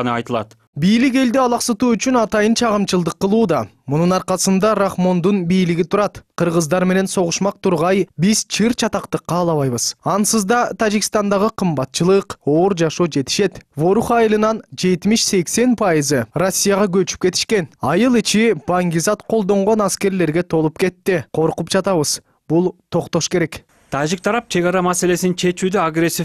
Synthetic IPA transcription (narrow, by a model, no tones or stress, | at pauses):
nɑjt̪lˠɑ̰t̪ | bijlike̞ld̪iɑlˠɑqsɯt̪uːyt͡ʃynɑt̪ɑjɯnt͡ʃʰɑʁɯmt͡ʃɯlˠd̪ɯqːəlˠuːd̪ɑ | mununɑɾqɑsɯnd̪ɑɾaχmo̞nd̪unbijliɡʲit̪ʰuɾɑt̪qʰɯɾʁəzd̪ɑɾme̞ne̞nso̞ʁʊʃmɑq̚t̪ʰuɾʁɑjbiz̥t͡ʃʰɨɾt͡ʃʰɑt̪ɑqt̪ɯqːɑːlˠɑβɑjβɯz̥ɑnsɯzd̪ɑt̪ʰad͡ʒikʲst̪ɑnd̪ɑʁɯqʰɯmbɑt̪̚t͡ʃɯlˠɯqo̞ːɾd͡ʒɑʃoːd͡ʒe̞t̪i̥ʃe̞t̪vo̞ɾuχɑjɯlˠɯnɑnd͡ʒe̞t̪miʃse̞kse̞npʰɑjɨzɯrosʲːijaʁɑɡøt͡ʃy̥p̚ke̞t̪i̥ʃke̞nɑjɯlˠit͡ʃib̥aŋɡʲizɑt̪qʰo̞lˠd̪o̞ɴʁo̞nɑske̞ɾle̞ɾɡe̞t̪ʰo̞lˠup̚ke̞t̪ːiqʰo̞ɾqup̚d͡ʒɑt̪ɑβɯz̥ | b̥ulˠt̪ʰo̞qt̪o̞ʃkeɾe̞k | t̪ʰad͡ʒik̚t̪ʰɑɾɑp̚t͡ʃʰe̞ɡɑɾɑmase̞le̞sint͡ʃʰe̞t͡ʃyːd̪øaɡresʲːif